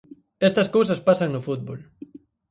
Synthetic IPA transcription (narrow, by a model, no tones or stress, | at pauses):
ɛst̪ɐskows̬ɐspasaŋnʊfut̪̚bol